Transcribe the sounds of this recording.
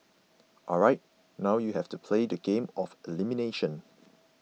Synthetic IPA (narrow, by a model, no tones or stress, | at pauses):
ʔɔlɹaɪt̚ | naʊjuhɛftupʰledəɡẽmɔfilimineʃə̃n